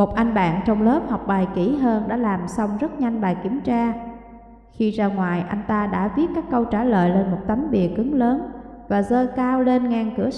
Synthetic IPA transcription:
mo˨˩t̚ʔa˧jŋ̟ɓa̰ː˧˨nt͡ɕɔ˧wŋ͡mlə˦˥p̚hɔ˨˩wk͡p̚ɓaː˨˩jkḭ˧˩ɦəː˧nɗa̰ː˧˥laː˨˩msa˧wŋ͡mzə˦˥t̚ɲa˧jŋ̟ɓaː˨˩jki˧˩əmt͡ɕaː˧ | xi˧zaː˧ŋwaː˨˩jʔa˧jŋ̟t̪aː˧ɗa̰ː˧˥vi˦˥ət̚kaː˦˥kːə˧wt͡ɕaː˧˩lə̰ː˧˨jle˧nmo˨˩t̚t̪a˨˦mɓi˨˩əkːɨ˨˦ŋləː˨˦n | vaː˨˩zəː˧kaː˧wle˧nŋaː˨˩nkɨ˧˩ə

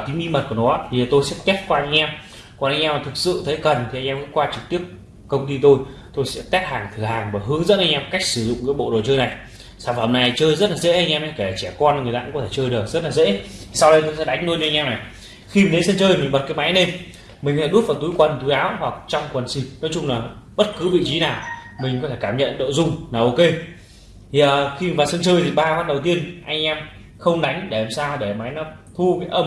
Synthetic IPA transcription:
t̪i̟˨˦ʔi˧mə˨˩t̚ku˨˩ə˩nɔ˨˦t̪ʰi˨˩t̪o˧jsɛ̰˧˥t̪ɛ˦˥t̚kwaː˧jʔɛ˧m | kɔ˧˩nʔa˧jŋʔɛ˧ma˨˩t̪ʰk̚sɨ̰˧˨t̪ʰə˨˦jkə˨˩nt̪ʰi˨˩a˧ŋ̟ʔɛ˧və̰˧˥kwaː˧t͡ɕɨ˨˩k̚t̪i˦˥əp̚ | kə˧wŋ͡mt̪i˧t̪o˧j | t̪o˧jsɛ̰˧˥t̪ɛ˦˥t̚haː˨˩ŋt̪ʰɨ˨˧˩haː˨˩ŋvaː˨˩ɦɨ˨˦əŋzə̰˧˥nʔa˧jʔɛ˧m˨˩ka˦˥jk̚sɨ˧˩zʊ̰˧˨ŋ͡mkɨː˨˦jɓo̰˧˨ɗo˨˩t͡ɕəː˧jna˨˩j | saː˧˩vaəː˨˧˩na˨˩jt͡ɕəː˧jzə˦˥t̚laː˨zḛ˧˥ʔa˧jŋ̟ʔɛ˧ma˨˧˦ke˧˩˨t͡ɕɛ˧˩kɔː˧n˨˩ŋɨ˨˩əja̰ː˧˥ɔ˨˦t̪ʰe˧˩t͡ɕəː˧jɗɨ˨˩ək̚zə˦˥t̚laː˨˩zḛ˧˥i˨sa˧wɗə˧jt̪o˧jsɛ̰˧˥ɗa˨˦ŋ̟no˧nɨ˧ŋʔɛ˧na˨˩j | xi˧mi˨˩nɗe˨˦nsə˧nt͡ɕəː˧jmï˨ŋ̟ɓə˨˩t̚kaː˨˦jma˨˦jne˧m | mi˨˩kt̪ʰe˧˩ɗu˦˥t̚vaː˨˩wt̪u˨˦jkwə˨˩nt̪u˨˦jʔaː˨˦whwa˨˩k̚t͡ɕɔ˧wŋ͡mkwə˨˩nsi˧˩nɔ˨˦jt͡ɕʊ˧ŋ͡mlaː˨˩ɓə˦˥t̚kɨ˨˦vḭ˧˨t͡ɕi˨˦naː˨˩wmï˨˩ŋ̟kɔ˨˦t̪ʰe˧˩kaː˧˩mɲə̰˧˨nɗo̰˧˨zʊ˧ŋ͡mlaː˨˩ʔo˧ke˧ | t̪ʰi˨˩ʔəː˨˩xi˧˨vaː˨˩wsə˧nt͡ɕəː˧jt̪ʰi˨˩ɓaː˧waː˦˥t̚ɗə˨˩wt̪i˧ənʔa˧jŋ̟ʔɛ˧m | xə˧wŋ͡mɗa˨˦jŋ̟ɗe˧˩ɛ˧˩msaː˧ɗe˧˩ma˨˦jnɔ˨˦t̪ʰu˧kaː˨˦jʔə˧˩m

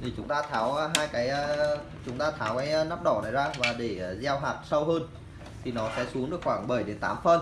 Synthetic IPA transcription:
t̪ʰi˨˩t͡ɕʊ˨˦ŋ͡mt̪aː˧t̪ʰaː˨˦wːɦaː˧jkaː˨˦jəː˧ | t͡ɕʊ˨˦ŋ͡mt̪aː˧t̪ʰaː˨˦wkaː˨˦jnaː˦˥p̚ɗɔ˧˩nə˨˦jzaː˧vaː˨˩ɗe˧˩˨zɛ˧wɦaː˨˩t̚sə˧wɦəː˧n | t̪ʰi˨˩nɔ˨˦sɛ̰˧˥su˨˦əŋɗɨ˨˩əkxwaː˧˩ŋɓə˧˩jɗe˨˦nt̪a̰ː˨˦mfə˧n

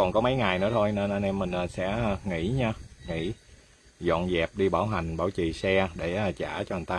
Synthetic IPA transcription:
kɔ˨˩nkɔ˨˦mə˨˦jŋaː˨˩jnɨ̰˧˥ət̪ʰo˧jne˧nʔa˧nɛ˧mːï˨˩ŋ̟ʔaː˨˩sɛ̰˧˥˨ŋḭ˧˩˥ɲaː˧ŋḭ˧˩˥ | zɔ̰˧˨nzɛ˨˩p̚ɗi˧ɓaː˧˩wɦa˨˩jŋ̟ɓaː˧˩wt͡ɕi˨˩sɛ˧ɗe˧˩ʔa˨˩t͡ɕaː˧˩t͡ɕɔ˧hŋt̪aː˧

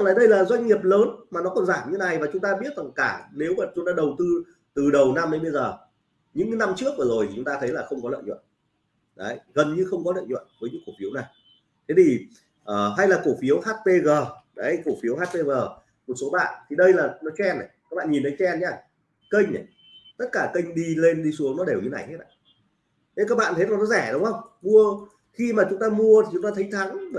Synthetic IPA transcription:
laː˨˩ɗə˧jlaː˨˩zwa˧jŋ̟ːŋi˨˩əp̚ləː˨˦nmaː˨˩nɔ˨˦kɔ˨˩nzaː˧˩mɲɨ̰˧na˨˩jvaː˨˩t͡ɕʊ˨˦ŋ͡mt̪aː˧ɓi˦˥ət̚za˨˩ŋkaː˧˩ne˨˦wmaː˨˩t͡ɕʊ˨˦ŋ͡mt̪aː˧ɗə˨˩wt̪ɨ˧ | t̪ɨ˨˩ɗə˨˩wna˧mɗə˨˦jɓə˧jzəː˨˩ | ɲɨ̰˧˥ŋna˧mt͡ɕɨ˦˥ək̚vəː˨˩zo˨˩jt̪ʰi˨t͡ɕʊ˨˦ŋ͡mt̪aː˧t̪ʰə˨˦jlaː˨˩xə˧wŋ͡mkɔ˨˦lə̰ː˧˨jɲwə̰˧˨n | ɗə˨˦jɣə˨˩nɲɨ˧xə˧wŋ͡mkɔ˨˦lə̰ː˧˨jɲwə̰˧˨nvəː˨˦jɲɨ̰˧˥ko˧˩fi˨˦wna˨˩j | t̪ʰe˨˦t̪ʰi˨˩ | ʔəː˨˩ɦa˧jlaː˨˩ko˧˩fi˨˦əwhaː˦˥t̚pe˧ɣəː˨˩ɗə˨˦ko˧˩fi˨˦əwaː˦˥t̚pe˧ɣəː˨˩ | mo˨˩t̚so˨˦ɓa̰ː˧˨nt̪ʰi˨˩ɗə˧jlaː˨˩nɔ˨˦t͡ɕwɛ˧na˨˩kaː˦˥ɓa̰ː˧˨ɲi˨˩nt̪ʰə˨˦jt͡ɕɛ˧nɲaː˧˩ | kə˧jŋ̟ʔə˨˩ | t̪ə˦˥t̚kaː˧˩kə˧jŋ̟ɗi˧le˧nɗi˧su˨˦əŋnɔ˨˦ɗe˨˩wɲɨ˨˦na̰˨˩jhe˦˥t̚ɗa̰˨˧˩ | t̪e˨˦kaː˦˥k̚ɓa̰ː˧˨nt̪ʰə˨˦˥tlaː˨˩nɔ˨˦zɛ˧˩ɗə˨˦wŋ͡mhə˧wŋ͡mmu˧ə | xi˧maː˨˩t͡ɕʊ˨˦ŋ͡mt̪aː˧mu˧ət̪ʰi˨˩t͡ɕʊ˨˦ŋ͡mt̪aː˧t̪ʰə˨˦jt̪ʰa˨˦ŋː˧˩

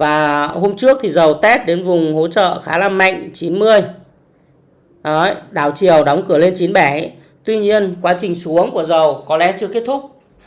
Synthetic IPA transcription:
vaː˨˩ho˧mt͡ɕɨ˦˥ək̚t̪ʰi˨˩zə˨˩wt̪ɛ˦˥t̚ɗe˨˦nvʊ˨˩ŋ͡mho˨˦t͡ɕə̰ː˧˨xaː˨˦laː˧˩ma̰˧˨jŋ̟t͡ɕi˨˦nmɨ˧əj | ɔ˨˦ɗaː˧˩wt͡ɕi˨˩əwɗɔ˨˦wŋ͡mkɨ˧˩əle˧nt͡ɕi˨˦nɓɛ˧˩˨ | t̪wi˧ɲi˧ənkwaː˨˦t͡ɕï˨˩ŋ̟su˨˦əŋku˧˩əzə˨˩wkɔ˨˦lɛ˨˦t͡ɕɨ˧əke˦˥t̚t̪ʰʊ˦˥k͡p̚

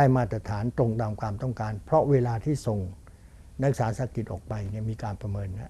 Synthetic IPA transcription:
aː˥˩jmaː˥˩t̪ɾa˧t̪ʰaː˩˦nt̪ɾo˧ŋt̪aː˧mkaː˧mt̪ɔ˥˩ŋkaː˧npʰɾɔ˦˥weː˧laː˧t̪ʰiː˥˩so˨˩ŋ | na˦˥k̚saː˩˦sa˨˦ki˨˩t̪̚ʔɔ̰ː˨˩k̚pa˧jni˥˩miː˧kaː˧npɾa˧mɤː˧nha˦˥ʔ

